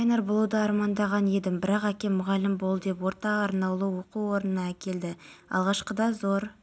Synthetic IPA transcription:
ɑjnɑɾbʊlˠuwd̪əɑɾmɑnd̪ɑʁɑne̞d̪ɪmbɪɾɑqækʲe̞mʊʁɑlːɪmbo̞lˠd̪e̞p̬wo̞ɾt̪ɑɑɾnɑwlˠəwo̞quwo̞ɾənənɑækʲe̞ld̪ɪɑ̰lˠʁɑʃqəd̪ɑzo̞ɾ

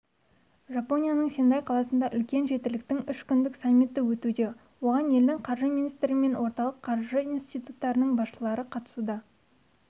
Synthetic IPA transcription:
ʒɑpo̞nʲijanəɴse̞nd̪ɑjqʰɑlˠɑsənd̪ɑʔʏ̰lkʲe̞nʒe̞t̪ɪlɪk̚t̪ɪŋʏʃkʲʏnd̪ɪksamːit̪ːɪwɵt̪ud̪e̞ | wo̞ʁɑne̞ld̪ɪŋqʰɑɾʒəminijst̪ɪɾɪme̞nwo̞ɾt̪ɑlˠəqʰːɑɾʒəinst̪ijt̪ut̪ːɑɾənəɴbɑsʃəlˠɑɾəqʰɑt̪ə̥sud̪ɑ

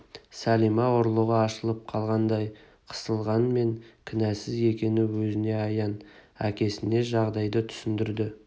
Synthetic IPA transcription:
sælijmɑoɾlˠəʁəɑʃəlˠəp̚qʰɑlˠʁɑnd̪ɑj | qʰə̥səlˠʁɑnme̞ŋkʲʰɪnæsɪze̞kʲe̞nɪwɵzɪne̞ɑjɑnæ̰kʲe̞sɪne̞ʒɑʁd̪ɑjd̪ət̪ʰʏ̥sɪnd̪ɪɾd̪ɪ

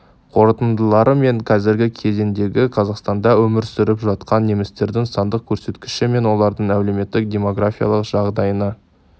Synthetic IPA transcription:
qʰo̞ɾət̪ənd̪əlˠɑɾʔəme̞ŋqʰɑzɪɾɡʲɪkʲʰe̞ze̞nd̪e̞ɡʲɪqʰɑzɑqst̪ɑnd̪ɑwɵmɪɾsʏɾɪpʒɑt̪qɑnːe̞mɪst̪e̞ɾd̪ɪŋsɑnd̪əq̚kʲʰɵɾse̞t̪kʲɪ̥ʃɪme̞nwo̞lˠɑɾd̪əɴæwle̞me̞t̪ːɪk̚dʲe̞mo̞ɡrafʲijɑ̰lˠəqʒ̥ɑʁd̪ɑjənə

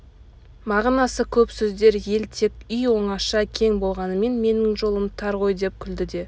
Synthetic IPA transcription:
mɑʁnɑsəkʲʰɵpsɵzd̪e̞ɾje̞lt̪ʰe̞kʲʏjwo̞ɴɑʃɑkʲʰe̞ŋbo̞lˠʁɑnəme̞nme̞nɪŋʒo̞lˠəmt̪ʰɑɾʁo̞jd̪e̞p̚kʲʰʏld̪ɪd̪e̞

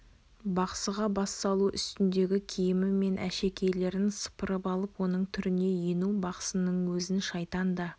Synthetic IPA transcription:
bɑqsəʁɑbɑsːɑlˠuʔʏ̰st̪ɪnd̪e̞ɡʲɪkʲʰijɪmɪmːe̞nʔæ̰ʃe̞kʲʰe̞jle̞ɾɪnsə̥pəɾəpɑlˠəpwo̞nəɴt̪ʰʏɾɪne̞jenubɑqsənəɴwɵzɪnʃɑjt̪ɑnd̪ə

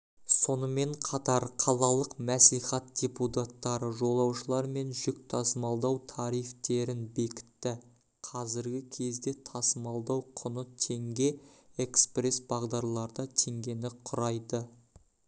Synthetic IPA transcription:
so̞nəme̞ɴqʰɑt̪ɑɾqʰɑlˠɑlˠəqmæsijχɑt̪̚d̥ʲe̞put̪at̪ːɑɾəʒo̞lˠɑwʃəlˠɑɾme̞nʒʏk̚ʲt̪ʰɑsəmɑlˠd̪ɑwt̪ʰɑɾijft̪e̞ɾɪnbe̞kʲɪ̥t̪ːɪ | qʰɑzɪɾɡʲɪkʲʰe̞zɡ̪e̞t̪ʰɑsəmɑlˠd̪ɑwqʰʊnət̪ʰe̞ŋɡʲe̞ekspre̞sbɑʁd̪ɑɾlˠɑɾd̪ɑt̪ʰe̞ŋɡʲe̞nɪqʰʊɾɑjd̪ə

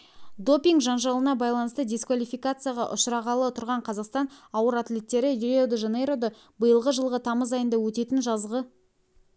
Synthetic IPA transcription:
d̪o̞pʲiŋɡʒɑnʒɑlˠənɑbɑjlˠɑnəst̪əd̪ʲeskvalʲifijkat̪sɨjaʁɑʔʊʃəɾɑʁɑlˠət̪ʰʊɾʁɑɴqʰɑzɑqst̪ɑnɑwəɾat̪lʲe̞t̪ːe̞ɾɪjɾod̪əʒenejɾo̞d̪ə | bəjəlˠʁəʒəlˠʁət̪ʰɑməzɑjənd̪ɑwɵt̪e̞t̪ɪnʒɑzʁə

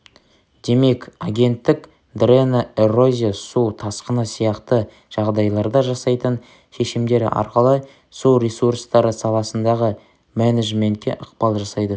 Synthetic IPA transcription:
d̪̥e̞me̞kaɡʲe̞nt̪ːɪk | d̪renaero̞zʲisut̪ʰɑsqənəsijɑqt̪ə | ʒ̥ɑʁd̪ɑjlˠɑɾd̪ɑʒɑsɑjt̪ən | ʃe̞ʃɪmd̪e̞ɾɪ̰ʔɑ̰ɾqəlˠə | suɾʲesuɾst̪ɑɾəsɑlˠɑsənd̪ɑʁə | mæneʒme̞nt̪̚kʲːe̞̰ʔəqpɑlˠʒɑsɑjd̪ə

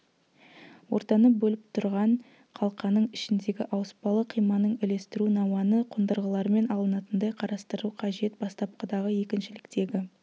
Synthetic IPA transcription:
wo̞̰ɾt̪ɑnəbɵlɪp̚t̪ʰʊɾʁɑɴ | qʰɑlˠqɑnəɴɪʃɪnd̪e̞ɡʲɪʔɑwəspɑlˠəqʰijmɑnəɴɪle̞st̪ɪɾunɑwɑnəqʰʊnd̪əɾʁəlˠɑɾəme̞nɑlˠənɑt̪ənd̪ɑjqʰɑɾɑst̪əɾuqʰɑʒe̞t̪̚bɑst̪ɑp̚qɑd̪ɑʁəje̞kʲɪnʃɪlɪkt̪e̞ɡʲɪ

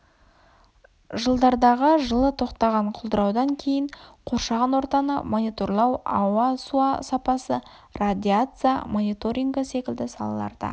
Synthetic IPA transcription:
ʒəlˠd̪ɑɾd̪ɑʁəʒəlˠət̪ʰo̞qt̪ɑʁɑɴqʰʊlˠd̪əɾɑwd̪ɑŋkʲʰe̞jɪɴqʰo̞ɾʃɑʁɑnwo̞ɾt̪ɑnə̰mo̞nijt̪o̞rlˠɑwɑwɑsuɑsɑpɑsə | rad̪ʲiat̪sɨja̰mo̞nit̪o̞ɾʲiŋɡəse̞kʲɪld̪ɪsɑlˠɑ̰lˠɑ̰ɾd̪ɑ̰

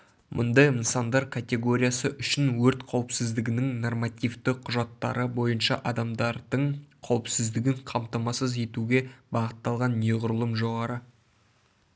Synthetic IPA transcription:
mʔʊ̰nd̪ɑjənsɑnd̪ɑɾkʰat̪ʲe̞ɡo̞ɾʲijasəʔʏʃɪnwɵɾt̪qʰɑwəpsɪzd̪ɪɡʲɪnɪŋno̞rmɑt̪ʲijft̪ɪqʰʊʒɑt̪ːɑ̰ɾəbo̞jənʃɑʔɑd̪ɑmd̪ɑɾd̪əɴqʰɑwəpsɪzd̪ɪɡʲɪŋqʰɑmt̪ɑmɑsəze̞t̪uɡʲe̞bɑʁət̪ːɑlˠʁɑnːe̞ʁʊɾəlˠəmʒo̞ʁɑɾə

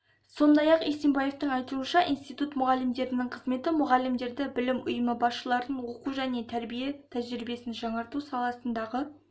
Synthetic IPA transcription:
so̞nd̪ɑjɑqesembɑje̞ft̪əɴɑjt̪uənʃɑʔḭjnst̪ijt̪ut̪mʊʁɑlːɪmd̪e̞ɾɪnɪŋqʰəzme̞t̪ɪmʊʁɑlːɪmd̪e̞ɾd̪ɪbɪlɪmʊ̰jəməbɑsʃəlˠɑɾənwo̞quʒæne̞t̪ʰæɾbije̞t̪ʰæʒɾɾibe̞sɪnʒɑɴɑɾt̪usɑlˠɑsənd̪ɑʁə

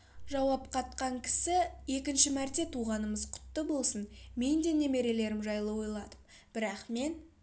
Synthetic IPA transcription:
ʒɑwɑpqʰɑt̪qɑɴkʲʰɪ̥sɪje̞kʲɪnʃɪmæɾt̪e̞t̪ʰuʁɑnəməzqʰʊ̥t̪ːəbo̞lˠsənme̞nd̪e̞ne̞me̞ɾe̞le̞ɾɪmʒɑjlˠəwo̞jlˠɑd̪əm | b̥ɪɾɑqme̞n

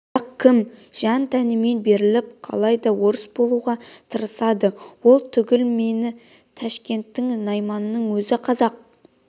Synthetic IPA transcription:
ɑq̚kʲʰːɪmʒ̥ɑnt̪ʰænɪme̞nbe̞ɾɪlɪp̚qʰɑ̰lˠɑjd̪ɑwo̞ɾəsbo̞lˠuʁɑt̪ʰəɾəsɑd̪əwo̞lˠt̪ʰʏɡʲɪlme̞nɪ | t̪ʰæʃkʲe̞nt̪ːɪŋnɑjmɑnənəɴwɵzɪqʰɑzɑq̚

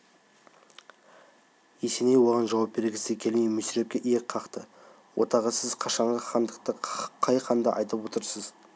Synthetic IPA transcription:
jesenejwo̞ʁɑnʒɑwɑp̚be̞ɾɡʲɪsekʲʰe̞lmejmʏsɪɾe̞p̚kʲeʔijek̚qʰɑqt̪ə | wʔo̰t̪ɑʁəsɪzqʰɑʃɑɴʁəχɑnd̪əq̚t̪əqʰɑjqʰɑnd̪ɑʔɑ̰jt̪əpwo̞t̪əɾsəz

